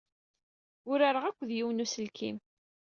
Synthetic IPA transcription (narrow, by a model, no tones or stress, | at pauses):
ʊɾaɾəʁækʷːðjiwnusəlkʰim